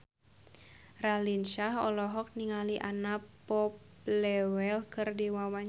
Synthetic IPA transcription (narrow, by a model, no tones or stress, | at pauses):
ralinʃaɦɔlɔɦɔk̚niŋaliʔanapɔp | lɛwɛlkɨrdiwawaɲ